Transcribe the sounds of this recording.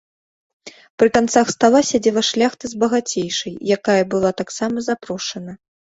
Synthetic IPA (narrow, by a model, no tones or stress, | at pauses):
pɾɨk̪ant̪saxst̪alˠasʲad͡zʲɛvɐʂlʲaxt̪ɨzbɐɣat͡sʲejʂɐjjakajɐbɨlˠat̪aksamɐzapɾɔʂɐnɐ